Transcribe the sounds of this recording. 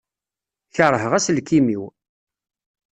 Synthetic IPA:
çəɾˤəɦəʁæslkimiw

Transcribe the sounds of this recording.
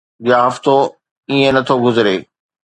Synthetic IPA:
d͡ʑjaːɦɐft̪o | iːẽnɐt̪ʰoɡʊzɾeː

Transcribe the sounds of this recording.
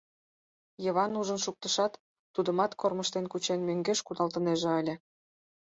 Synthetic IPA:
jəβɑnuʒənʃuk̚t̪əʃɑt̪ː | ud̪ə̆mɑt̪korməʃt̪enkut͡ɕenmøŋɡeʃkud̪ɑlt̪əneʒĕəlʲĕ

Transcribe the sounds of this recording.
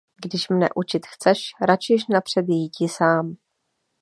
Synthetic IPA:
ɡdɪʃmnɛ̰ʔut͡ʃɪt̪xt͡sɛʃɾat͡ʃɪʃnapr̥ɛd̪jjiːcɪsaːm

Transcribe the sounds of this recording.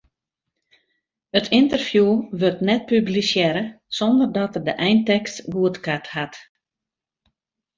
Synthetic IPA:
ətʰɪntərfjuʋørtnɛt̚pyblisjɛɾə | sondərdɔtərdəʔɛjntɛkstʋuətkathat

